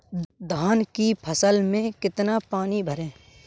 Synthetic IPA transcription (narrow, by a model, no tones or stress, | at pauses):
d̪ʱaːnkipʰəsəlmẽkɪt̪napaːnibʱəɾẽː